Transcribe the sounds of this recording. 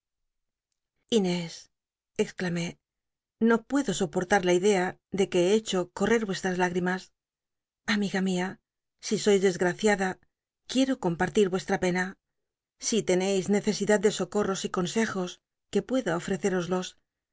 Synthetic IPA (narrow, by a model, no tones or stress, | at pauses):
ine̞s | eksklame̞ | no̞pwe̞ðo̞so̞po̞ɾt̪aɾlaiðe̞aðe̞ke̞et͡ʃo̞ko̞re̞ɾβwe̞st̪ɾazlaɣɾimas | amiɣamia | siso̞jzðe̞zɣɾaθjaða | kje̞ɾo̞ko̞mpaɾt̪iɾβwe̞st̪ɾape̞na | sit̪e̞ne̞jzne̞θe̞siðad̪̚d̪e̞so̞ko̞ro̞siko̞nse̞xo̞s | ke̞pwe̞ðaofɾe̞θe̞ɾo̞zlo̞s